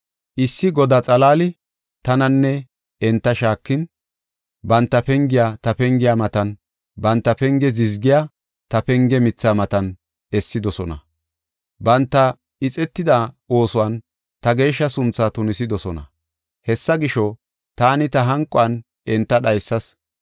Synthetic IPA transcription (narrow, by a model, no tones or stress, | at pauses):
ʔɪsːɪɡɔd̪at͡sʼɐlaːlɪ | t̪ɐnɐnːɛ | ɛnt̪ːɐʃaːkːɪn | bɐnt̪ːɐpɛŋɡɪjaːt̪ɐpɛŋɡɪjaːmɐt̪ɐn | bɐnt̪ːɐpɛŋɡɛzɪzɡɪjaː | t̪ɐpɛŋɡɛmɪt͡sːaːmɐt̪ɐn | ɛsːɪd̪ɔsɔnɐ̰ | bɐnt̪ːɐ | ɪt͡sʼɛt̪ːɪd̪a | o̞ːsʊwɐn | t̪ɐɡe̞ːʃːɐsʊnt͡sːaːt̪ʊnɪsɪd̪ɔsɔnɐ̰ | hɛsːɐɡɪʃɔ | t̪aːnɪt̪ɐɦɐŋkʼːɔɐn | ɛnt̪ːɐɗɐjsːɐs